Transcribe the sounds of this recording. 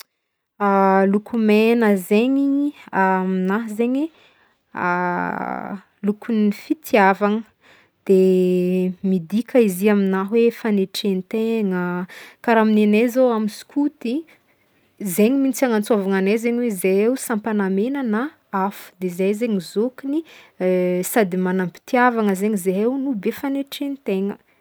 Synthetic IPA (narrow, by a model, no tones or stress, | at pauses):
alukʰumenəzeɲiaminaɦzeɲḛ | lukunifit̪ʰiavaŋə | d̪̥e | mid̪ikʰəiziaminaɦwefaneʈ͡ʂent̪eŋəkaɾaminenezowamisu̥kʰut̪i | zeɲimint͡saŋant͡suavaŋanejzeɲwezeewsampanamenana | afu̥d̪ezajzeɲizokini | sad̪imanampi̥t̪iavaŋəzeɲizeɦewnubefaneʈ͡ʂenit̪eŋə̰